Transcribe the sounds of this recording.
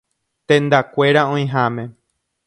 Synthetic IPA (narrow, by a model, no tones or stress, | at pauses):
t̪ẽnd̪akʷe̞ɾaõj̃ɦamẽ̞